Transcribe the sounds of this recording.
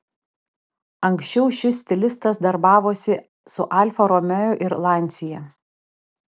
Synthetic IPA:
ɐŋʲˑksʲt͡ʃʲɛʊʃʲɪsʲt̪ʲɪlʲɪst̪ɐsd̪ɐɾbɑːʋoːsʲɪ | sʊʔɑˑlʲfɐɾɔmʲɛjoʔɪɾlˠɑˑnʲt̪sʲɪjɛ

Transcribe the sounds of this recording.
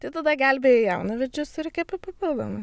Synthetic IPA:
t̪ɐɪt̪ɐd̪ɐɡælʲbʲejɛjɛʊnɐʋʲɛd͡ʒʲʊsɾʲɛkʲɛpɐpɐpʲɪlˠd̪o̰mɐ

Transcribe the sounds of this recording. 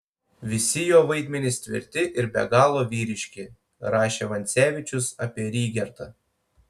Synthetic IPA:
ʋʲɪsʲɪjoːʋɐɪd̪ʲmʲɛnʲɪst̪ʲʋʲɪ̰ɾʲt̪ʲɪʔɪɾbʲɛ̰ɡɑːlˠoːʋʲiːɾʲɪʃʲkʲɪ | ɾɑːʃʲeːʋɐnʲt̪sʲæːʋʲɪt͡ʃʲʊsɐpʲiɛɾʲiːɡʲɛɾt̪ɐ

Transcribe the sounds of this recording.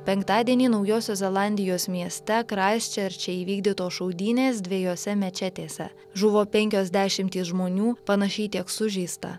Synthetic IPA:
pʲɛŋkt̪ɑːd̪ʲiɛnʲiːnɒʊjoːsʲoːszʲɛlˠɑˑnʲd̪ʲɪjoːsmʲiɛsʲt̪ʲɛkɾɑsʲt͡ʃʲɛɾʲt͡ʃʲɛiːʋʲiːɡd̪ʲit̪oːʃɔʊd̪ʲiːnʲeːs̬d̪ʲʋʲɛjoːsʲɛmʲɛt͡ʃʲɛt̪ʲeːsʲɛ̰ | ʒʊʋoːpʲɛŋʲkʲoːzʲd̪ʲæːʃʲɪmʲt̪ʲiːsʒmoːnʲuːpɐnɐʃʲɛɪt̪ʲiɛksʊʒʲiːst̪ɐ̰

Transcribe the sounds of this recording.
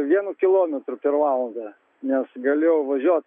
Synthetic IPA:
ʋʲiɛnukʲɪlˠoːmʲɛt̪ɾʊpʲɛɾʋɑːlˠɐnd̪ɑ | nʲɛsɡɐlʲeːjɛʊʋɐʒʲuɔt̪

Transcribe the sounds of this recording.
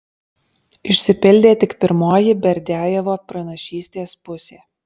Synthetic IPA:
ɪʃʲsʲɪpʲɪlʲd̪ʲeːt̪ʲɪkpʲɪɾmoːjɪbʲɛɾʲd̪ʲæːjɛʋoːpɾɐnɐʃʲiːsʲt̪ʲeːspʊsʲeː

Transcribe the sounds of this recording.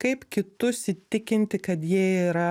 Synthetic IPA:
kɐɪpkʲɪt̪ʊsʲɪt̪ʲɪkʲɪnʲt̪ʲɪkɐt̪jiɛiːɾɐ

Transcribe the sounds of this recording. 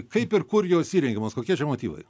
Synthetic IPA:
kɐɪpɪrkʊɾjoːsʲiːɾʲɛŋʲɡʲɪmoːskoːkʲiɛt͡ʃʲɛmoːt̪ʲiːʋɐ̰ɪ

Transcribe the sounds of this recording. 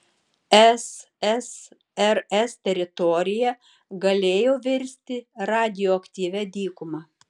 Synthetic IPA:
ɛs | ɛs | ɛɾɛst̪ʲɛɾʲɪt̪ɔːɾʲɪjɛ | ɡɐlʲeːjoːʋʲɪɾʲsʲt̪ʲɪɾɑːd̪ʲɪjoːɐkt̪ʲiːʋʲæd̪ʲiːkʊmɑː

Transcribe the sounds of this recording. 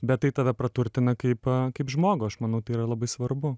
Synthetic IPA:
bʲɛt̪̚tɐɪt̪ɐd̪ɐpɾɐt̪ʊɾʲt̪ʲɪnɐkɐɪpkɐɪpʒmoːɡʊɐʃmɐnɐʊt̪ɐɪiɾɐlˠɐbɐɪsʋɐrbʊ

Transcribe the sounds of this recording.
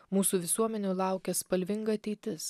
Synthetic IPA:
muːsuːʋʲɪsuɔmʲɛnʲuːlˠɑˑʊkʲɛspɐlʲʋʲɪŋɡɐɐt̪ʲɛɪt̪ʲɪs

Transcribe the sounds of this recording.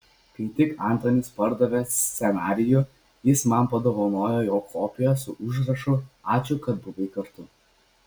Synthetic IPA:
pʲit̪ʲɪkɐˑnt̪ɾɐnʲɪspɐɾd̪ɐʋʲɛsʲsʲɛnɑːɾʲɪjʊ | jɪsmɐnpɐd̪oːʋɐnoːjojoːkʰoːpʲɪjɛsʊʔʊʒɾɐʃʊɑːt͡ʃʲʊkɐt̪̚bʊʋʲɐɪkɐɾt̪ʊ

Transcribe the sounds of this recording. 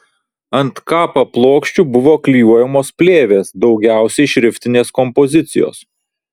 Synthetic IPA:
ɐnt̪kɑːpɐplˠoːkʃʲt͡ʃʲuːbʊʋoːklʲijuɔjɛmoːspʲlʲeːʋʲeːsd̪ɒʊɡʲæˑʊsʲɛɪʃʲɾʲɪfʲt̪ʲɪnʲeːskɔmpɔzʲɪt̪sʲɪ̰jo̰ːs

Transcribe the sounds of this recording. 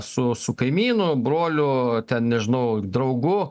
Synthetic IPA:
sʊsʊkɐɪmʲiːnʊbɾoːlʲʊt̪ʲɛnnʲɛʒʲɪnɐʊd̪ɾɐʊɡʊ

